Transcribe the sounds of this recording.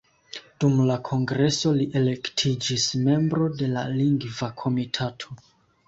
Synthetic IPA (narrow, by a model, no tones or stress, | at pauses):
d̥umlakʰo̞ŋɡɾe̞so̞liʔe̞le̞ktʰid͡ʒisme̞mbɾo̞de̞laliŋɡvakʰo̞mitʰatʰo̞